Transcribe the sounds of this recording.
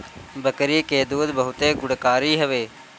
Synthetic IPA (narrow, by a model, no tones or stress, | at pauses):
bəkɾiːkeːd̪uːd̪bəɦʊt̪eːɡʊɽkaːɾiːɦəʋeː